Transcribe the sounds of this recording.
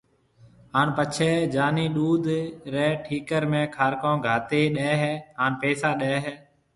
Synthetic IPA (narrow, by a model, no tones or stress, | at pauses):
ɦaːnpət͡ʃʰɛːd͡ʒaːniːɗuːd̪ʱɾɛːʈʰiːkəɾmẽːkʰaːɾkõːɡʱaːt̪eːɗɛːɦɛːɦaːnpeːsaːɗeːɦɛː